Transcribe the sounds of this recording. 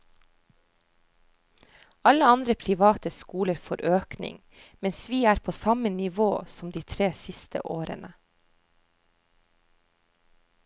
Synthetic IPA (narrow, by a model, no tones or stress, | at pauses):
ɑləɑnd̪ɾəpʰɾɪʋɑːt̪əskuːləɾfo̰ːɾʔøːknɪ̰ŋ | mɛnsʋiːæːɾpʰoːsɑmənɪʋoːsɔmd̪iːt̪ʰɾeːsɪst̪ʰə̰ʔoːɾə̰nə